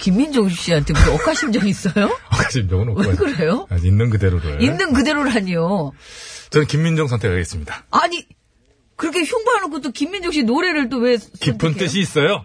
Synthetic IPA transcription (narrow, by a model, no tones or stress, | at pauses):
kimːind͡ʑoŋɕ͈iantʰekoʌk͈ʰaɕ͈ʰimd͡ʑʌŋis͈ʌjoʌkaɕʰimd͡ʑʌŋɯnʌwekɯɾejoainːɯnkɯde̞ɾoɯ̰inːɯnkɯde̞ɾoɾɦaɲijo | t͡ɕʌnɯnkimːind͡ʑoŋsʰʌntʰe̞kʰaɡes͈ɯmɲidaaɲi | kɯɾʌkʰe̞çjoŋboɦanokʰot͈ːokimːind͡ʑoŋɕ͈inoɾe̞ɾɯɭt͈owe̞skipʰɯnt͈ɯɕ̬ʰiːs͈ʌjo